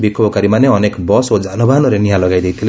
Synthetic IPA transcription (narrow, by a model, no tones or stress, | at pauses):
bikʰobɔkaɾimaneʌnekbɔsod͡zanubanʌɾenijãlʌɡajd̪ejt̪ʰile